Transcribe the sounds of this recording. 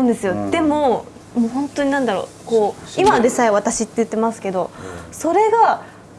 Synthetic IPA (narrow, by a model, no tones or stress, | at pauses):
nd̪e̞sɨjo̞d̪̥e̞mo̞ | moːɦõ̞nt̪oɲ̟inãnd̪aɾo̞̰ː | ko̞ːimad̪esaiβat̪aɕit̪ːe̞jɯ̟t̪ːe̞masɨ̥ke̞d̪o̞so̞ɾe̞ɡa